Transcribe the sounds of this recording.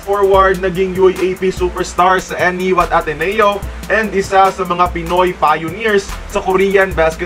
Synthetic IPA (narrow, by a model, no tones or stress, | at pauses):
foɹwɐɹd̪̚nɐɡiŋjujʔejpisupɛɹst̪aɹsɐʔɛniwɐt̪̚ʔɐt̪ɛnɛjoʔɛnd̪ʔɪsasɐmɐŋapɪno̞jpajʊniɹsːɐkoɾijɐnbaskɛ